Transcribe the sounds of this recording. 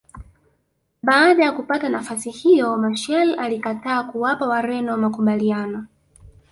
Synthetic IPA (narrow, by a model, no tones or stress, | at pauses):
ɓaːɗajakupatanafasihijɔmaʃɛlalikataːkuwapawaɾɛnɔwamakuɓalianɔ